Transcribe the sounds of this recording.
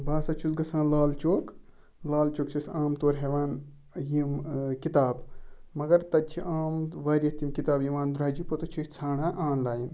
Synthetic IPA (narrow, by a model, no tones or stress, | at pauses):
baːsɐt͡ʃʰusɡɐsãːnlaːlt͡ʃoːk | laːlt͡ʃoːkt͡ʃʰisaːmt̪oːɾɦeʋaːn | jimkit̪aːbmɐɡɐɾt̪ɐt͡ʃʰiʔaːmʋaːɾʲɐt̪imkit̪aːbjiʋaːnd̪ɾaːd͡ʒipot̪ut͡ʃʰit͡sʰaːɳaːʔaːnlaːjin